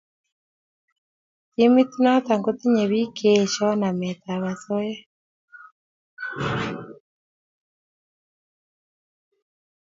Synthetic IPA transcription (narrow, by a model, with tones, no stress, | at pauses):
ti˦mi˦t̪i˦nɔ˦t̪a˨ŋɡo˦t̪i˦ɲɛ˨βi˦kʰe˨ʃɔ˦na˨mɛ˨t̪a˨βa˨sɔ˦jɛ˦